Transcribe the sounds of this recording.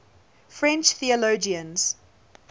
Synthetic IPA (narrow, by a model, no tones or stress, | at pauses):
fɹɛ̃nt͡ʃθiəloʊd͡ʒiə̃nz̥